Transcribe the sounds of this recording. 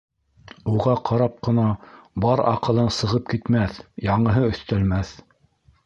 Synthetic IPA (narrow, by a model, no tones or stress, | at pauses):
uʁɑqʰɑɾɑp̚qɤ̆nɑbɑɾɑ̰qɤ̆lˠɤnsɤ̆ʁɤp̚kit̪mæθjɑɴɤ̆ɦɤɵ̆θt̪ælmæθ